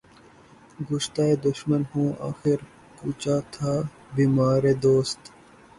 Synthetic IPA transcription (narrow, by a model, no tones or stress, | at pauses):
ɡʊʃt̪aːed̪ʊʃmənhũːa̰ːxɪɾ | kuːt͡ɕaːt̪ʰaː | biːmaːɾeːd̪oːst̪